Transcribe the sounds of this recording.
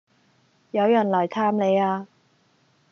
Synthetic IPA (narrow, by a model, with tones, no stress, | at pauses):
jɐ˨˧wjɐ˨˩nlɐː˨˩jt̪ʰaː˧mle˨˧jaː˧